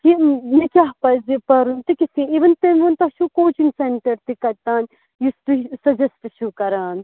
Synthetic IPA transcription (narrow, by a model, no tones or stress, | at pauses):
kimikʲaɦpɐzipɐɾunt̪ikisĩiʋɐnt̪emʋɐnt̪ɐʃukoːt͡ʃinseɳʈɐɾt̪ikɐɾt̪aːn | jist̪usɐd͡ʒɐsʈɨʃukɐɾaːn